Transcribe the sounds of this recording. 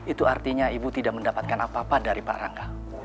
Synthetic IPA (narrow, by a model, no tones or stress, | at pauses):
it̪uart̪iɲaibut̪idaʔməndapat̪̚kanapapadaɾipa̰ɾa̰ŋɡa